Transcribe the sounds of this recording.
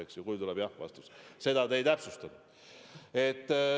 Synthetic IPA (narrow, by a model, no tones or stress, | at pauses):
eksjɑkujlt̪ulɛb̥jɑhvɑ̰st̪u̥sse̞d̪ɑd̪ejt̪æpsust̪ɑm | e̞t̪ː